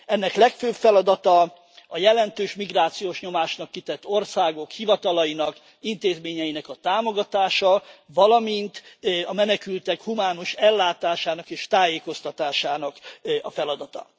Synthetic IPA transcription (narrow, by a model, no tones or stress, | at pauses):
ɛnːɛklɛkføːbfɛlɒd̪ɒt̪ɒ | ɒjɛlɛnt̪øːʃmiɡraːt̪sijoːʃɲo̞maːʃnɒkːit̪ɛt̪ːo̞rsaːɡo̞khivɒt̪ɒlɒjinɒk | int̪eːzmeːɲɛjinɛkɒt̪aːmo̞ɡɒt̪aːʃɒvɒlɒmint̪ɒmɛnɛkylt̪ɛkhumaːnoʃɛlːaːt̪aːʃaːnɒkeːʃt̪aːjeːko̞st̪ɒt̪aːʃaːnɒkɒfɛlɒd̪ɒt̪ɒ̰